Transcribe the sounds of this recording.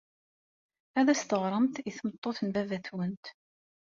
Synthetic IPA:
æðæst̪əʁɾˤəmt̪iθmət̪ˤːoθənvævæθwənt̪

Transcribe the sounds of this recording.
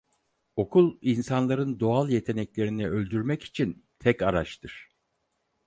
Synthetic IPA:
o̞kʰulˠinsanlˠaɾɯnd̪o̞alˠje̞t̪ʰe̞nɛclʲe̞ɾiniølʲd̪yɾmɛci̥t͡ʃʰint̪ʰɛkaɾaʃt̪ʰɯɾ̥

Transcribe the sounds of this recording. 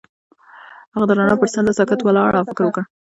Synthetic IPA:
haɣad̪əɾɑnɑpəɾsand̪əsɑkat̪wəlɑɽafɪkɾwəkəɽ

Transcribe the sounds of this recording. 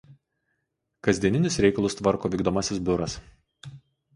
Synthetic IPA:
kɐzʲd̪ʲiɛnʲɪnʲɪsɾʲɛɪkɐlˠʊst̪ʋɐɾkoːʋʲiːɡd̪oːmɐsʲɪs̬bʲʊɾɐs

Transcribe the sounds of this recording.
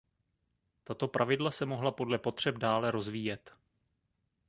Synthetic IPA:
t̪at̪o̞pɾʔavɪdlasɛmo̞ɦlapo̞dlɛpo̞t̪r̝̥ɛb̚daːlɛɾo̞zviːjɛt̪

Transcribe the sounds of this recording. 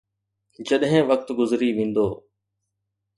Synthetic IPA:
d͡ʒəɗɦẽːʋək̚t̪ɡʊzɾiːʋĩːnd̪oː

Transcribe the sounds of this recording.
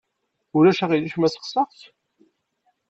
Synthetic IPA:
ʊɾæʃæʁiliʃmæsə̥χsəʁθ

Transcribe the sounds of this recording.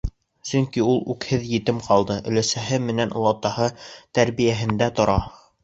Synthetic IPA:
sɵ̆ŋkiulˠʉkhɘðjɘ̆t̪ɘmqʰɑlˠd̪ɤʔɵ̆læsæɦɘmɘ̆nænlˠɑt̪ɑhɤt̪æɾβijæɦɘ̆nd̪æt̪ŏɾɑ

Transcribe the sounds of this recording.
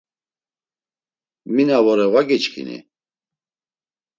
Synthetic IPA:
minavɔɾɛvwaɡit͡ʃkʰḭnḭ

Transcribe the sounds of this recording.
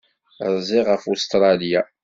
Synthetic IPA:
ɾˤzˤɪʁəfust̪ɾˤɑlja

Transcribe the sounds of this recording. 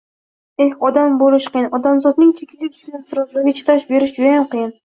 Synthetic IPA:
ehɒd̪ambolɪʃqʰɨjɪnɒd̪amzɒd̪nɪŋt̪ʰekʲʰɪzʲɪt̪ʰʊ̥ʃɪnast̪ɪɾɒzlaɾɡʲat͡ʃʰɪ̥t̪ʰaʃbe̞ɾɪʃd͡ʒʊd̪ajamqʰɨjɪn

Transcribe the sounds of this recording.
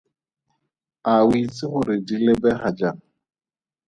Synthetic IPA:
awit͡sʼɪχʊɾɪdilebɛχad͡ʒaŋ̩

